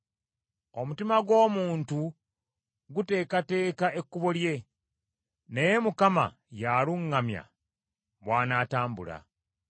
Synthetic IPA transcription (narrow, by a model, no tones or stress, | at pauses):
o̞mutimaɡwo̞ːmuːntu | ɡute̞ːkate̞ːkaʔe̞kːuβolje̞ | nejemukama̰ | jaːluŋːamja̰ | βwaːnaːtaːmbṵla̰